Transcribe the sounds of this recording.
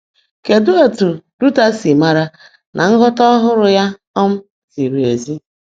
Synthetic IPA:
ke˨dʊ˦o˦tu˨du˦ta˦si˨ma˨ɾa˦ | nʔa˨ŋ̩˦ɡɔ˦tɔ˦ɦʊ˦ɾʊ˨ja˦ | ɔ˦m̩˦ | si˨ɾu˨e˨zi˦

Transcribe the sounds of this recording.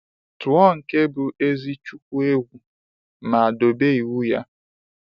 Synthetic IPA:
tu˨˦ɔ˦ŋ̩˨ke˦bʊ˨e˦zi˦t͡ʃu˦k̚ʷu˦e˦ɡʷu˨ | ma˨a˨do˨be˦i˨wu˦ja̰˦

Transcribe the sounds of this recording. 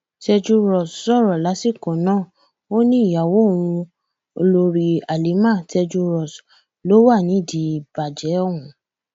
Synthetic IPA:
tɛ˧d͡ʒu˧ɾɔ˨ssɔ˦˨ɾɔ˨la˨˦si˦˨kɔ̃˨nãː˦˨ | o˦nĩ˦i˦˨ja˨wo˦˨w̃ũ˧ | o˧lo˧ɾi˨a˨li˨˦mã˦˨tɛ˧d͡ʒu˧ɾɔ˨s | lo˨˦wa˦˨nĩ˨˦˨di˨˦˨b̥a˨d͡ʒɛ˨˦wũ˨˦

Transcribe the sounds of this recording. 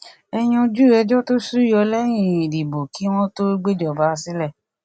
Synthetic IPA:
ɛ˧j̃ɔ̃˧d͡ʒu˦˨ɾɛ˧d͡ʒɔ˦to˦su˦jɔ˧lɛ˦j̃ĩ˦˨i˨di˨bo˨ki˨˦w̃ɔ̃˦to˦ɡ͡be˦d͡ʒɔ˨ba˨˦˧si˦lɛ˦˨

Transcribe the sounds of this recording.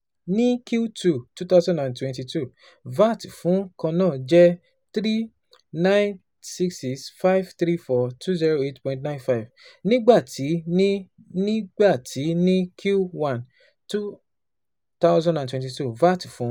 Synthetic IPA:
nĩ˦kju˦tʰu˦˨tu˦t̪a˦ʊzã˦dã˨ntwɛ̃˧nti˧tu˦˨ | va˦ti˨fũ˨˦kã˧nã˦˨d͡ʒɛ˦ | t̪ɾi˦ | nã˦n | si˦ksi˧sfa˦jvt̪ɾi˦fɔ˧tʰu˦zi˦ɾo˧e˦tpɔ̃˧˨nt̬nã˦nfa˦jvnĩ˦ɡ͡ba˦˨tʰi˨˦ | nĩ˦ɡ͡ba˦˨tʰi˨˦nĩ˦kʰju˦wã˦˨n | tu˦ | t̪a˦ʊzã˦dã˨ntwɛ̃˨ti˧tu˦˨va˦˨ti˨fũ˨˦

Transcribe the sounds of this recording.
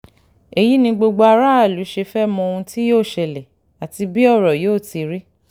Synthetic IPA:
e˨ji˨˦nĩ˧ɡ͡bo˧ɡ͡bo˧a˧ɾa˦a˦˨lu˨˦ʃe˧fɛ˦mɔ̃˧o˧ũ˧ti˦joː˦˨ʃɛ˧lɛ˨ | a˨ti˧bi˦ɔ˦˨ɾɔ˨joː˦˨ti˧ɾi˦

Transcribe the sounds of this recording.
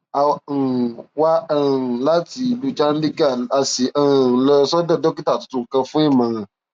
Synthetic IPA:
a˨ | wa˦˨la˦ti˨lu˨˧t͡ʃa˦n̩˦li˦ka˦˨a˨si˨˦˨lɔ˧˦sɔ˦dɔ˦˨dɔ˦ki˦ta˦˨tu̥˧tũ˧ŋ̩˨kã˧fũ˦i˦˨mã˨

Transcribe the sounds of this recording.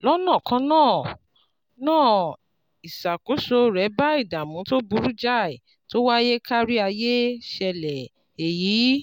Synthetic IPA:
lɔ˦nãː˦˨kã˨˧˦nãː˦˨ | nãː˦˨ | i˨sa˨ko˨˦ʃo˧ɾɛ˨˦ba˦i˦˨da˨mũ˨˦to˦bu˧˦ɾu˦d͡ʒa˦˨i˨ | to˦wa˦je˦ka˦ɾi˦a˧je˦ʃɛ˧lɛ˨ | e˨jiː˨˦

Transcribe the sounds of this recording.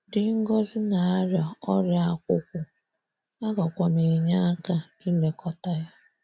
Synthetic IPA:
dɪ˨ŋ̩˦ɡɔ˦zɪ˦na˨a˦ɾja˨ɔ˦ɾja˦kʷʊ˦kʷʊ˨ | a˦ɡɔ˨kʷa˨mi˨ɲa˦ka˦ | i˦le˦kʰɔ˦ta˦ja˦

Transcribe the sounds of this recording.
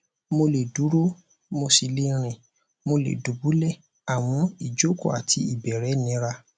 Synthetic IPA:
mo˧le˨du˨˦ɾo˦ | mo˧si˧le˦ɾ̃ĩ˧˨ | mo˧lḛ˨du˨˦bu˨˦lɛ˦˨ | a˨w̃ɔ̃˧i˨d͡ʒo˦kɔ̰˦˨a˨tʰi˧˦i˨bɛ˨ɾɛ˨˦nĩ˨˦ɾa˧

